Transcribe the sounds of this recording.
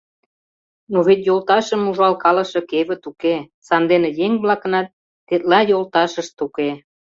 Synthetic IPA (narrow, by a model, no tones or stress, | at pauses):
noβet̪̬jolt̪ɑʃə̆muʒɑlkɑlɤ̆ʃɤ̆keβə̆t̪uke | sɑnd̪enĕjeŋβlɑkɤ̆nɑt̪̚ː | et̪lɑjolt̪ɑʃə̆ʃt̪uke